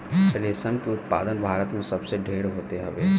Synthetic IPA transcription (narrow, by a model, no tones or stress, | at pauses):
əleːsənkeʊt̪̚pa̰ːd̪ənbʱaːɾət̪mẽsɐbseɖʱeːɾɦoːt̪eɦɐʋeː